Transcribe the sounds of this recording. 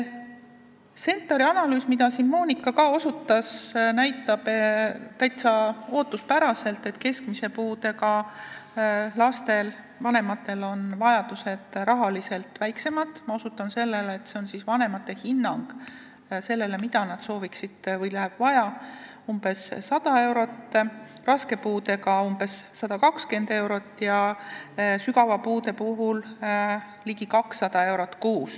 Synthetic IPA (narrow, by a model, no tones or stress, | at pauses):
se̞nt̪ːˑɑɾiɑnɑlyːsmid̪ɑsinmo̞ːnikːˑɑkɑo̞sut̪ˑːɑsnæjt̪ːˑɑb̥t̪æjt̪sɑo̞ːt̪ːˑuspæɾɑse̞lt̪ːe̞t̪ːˑke̞skmise̞puːd̪e̞kɑ | lɑst̪e̞l | vɑne̞mɑt̪ːe̞lo̞nvɑjɑd̪̥use̞d̪̥rɑɦɑlise̞lt̪væjkse̞mɑt̪ːˑmɑo̞sut̪ːˑɑnse̞lːeleet̪ːˑse̞o̞nsisvɑne̞mɑt̪ːˑe̞hinːɑŋɡ̥ | se̞lːe̞le̞mid̪ɑnɑd̪̥so̞ːviksid̪̥vɤjlæɦeb̥vɑjɑ | umb̥e̞sːɑd̪̥ɑe̞wɾo̞t̪ː | rɑske̞puːd̪e̞kɑumbe̞sːɑd̪̥ɑkɑkske̞nd̪̥e̞wɾo̞t̪ːˑjɑ | syɡɑvɑpuːd̪e̞puɦul | liɡ̥ikɑksːɑd̪̥ɑe̞wɾo̞t̪ːˑkuːs